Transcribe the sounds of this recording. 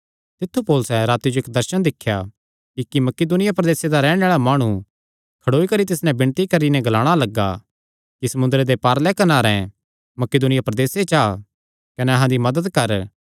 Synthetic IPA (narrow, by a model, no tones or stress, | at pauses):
t̪ɪt̪ʰːupoːlʊsɛɾaːt̪jid͡ʒoeːkd̪ɐɾʃənd̪ɪkʰːja | kikimɐkeːd̪ʊnɪjapɾɐd̪eːsed̪aɾɛːɽ̃ẽaːɭamaːɽ̃u | kʰɐɽoːikɐɾit̪ɪsnɛ̃bɪ̃ɳ̃t̪ikɐɾinɛɡɐlaːɽ̃alɐɡːa̰ | kisɐmʊ̃nd̪ɾed̪epaːɾlɛkɐnaːɾɛ̃ | mɐkeːd̪ʊnɪjapɾɐd̪eːset͡ʃaː | kɐnɛɐɦãd̪imɐd̪əd̪kɐɾ